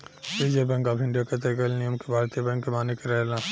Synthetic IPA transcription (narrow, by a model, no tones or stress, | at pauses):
bid͡ʒebɛ̃ŋkaːpʰɪ̃ɳɖijaket̪̬ekəlnijəmkebʱaːɾt̪ijəbɛ̃ŋkːemaːnekeɾɛɦlãː